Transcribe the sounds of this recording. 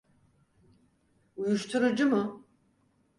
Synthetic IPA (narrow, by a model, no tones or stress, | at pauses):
ujuʃt̪ʰuɾɨd͡ʒɨmɨ